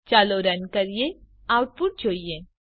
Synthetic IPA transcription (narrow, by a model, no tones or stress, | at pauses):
t͡ʃaːloɾɐnkɐɾije | aːʊʈ̚puʈ̚d͡ʒoːijẽ